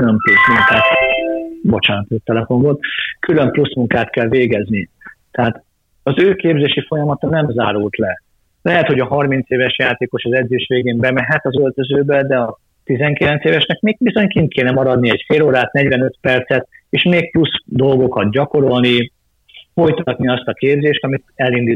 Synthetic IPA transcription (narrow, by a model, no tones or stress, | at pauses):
ylømplusmuŋkaːt̪ | bo̞t͡ʃaːnt̪ott̪ːɛlɛfo̞mɡot̪kylø̞mplusmuŋkaːt̪kɛlveːɡɛznit̪ɛɦaːt̪ | ɒzøːkeːbzeːʃifo̞jɒmɒt̪ɒnɛmzaːɾult̪lɛ | lɛɦɛt̪ho̞ɟɒɦɒrmint̪seːvɛʃjaːt̪eːko̞ʃɒzɛd̪zeːʃʋeːɡeːmbɛmɛɦɛt̪ɒzølt̪øzøːbɛd̪ɛɒ | t̪izɛŋkilɛnt̪seːvɛʃnɛkmeːɡ̚bizo̞ɲkint̪̚kʰeːnɛmɒɾɒd̪niɛcfeːloːɾaːt̪nɛɟvɛnø̞t̪pɛrt̪sɛt̪̚eːʃmeːk̚plusd̪o̞lɡo̞kɒt̪̚ɟɒko̞ɾo̞lni | fo̞jt̪oɒt̪niɒst̪ɒkeːbzeːʃt̪ɒmit̪ɛlind̪i